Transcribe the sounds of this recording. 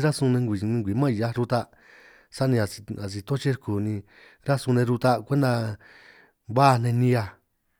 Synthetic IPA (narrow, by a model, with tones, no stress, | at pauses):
ɾa˦sũ˧nẽ˧ŋɡʷi˨˧ĩ˧ŋɡʷi˨˦mã˦˨ja˧ɾu˧t̪a˧ | sa˦nĩ˧a˨i˧a˨s̬i˧t̪o˦t͡ʃe˦ɾku˨nĩ˧ | ɾa˦su˧nẽ˧ɾu˧t̪a˧kʷe˦nd̪a˧ | βa˦˧n̥ẽ˧nĩ˧a˧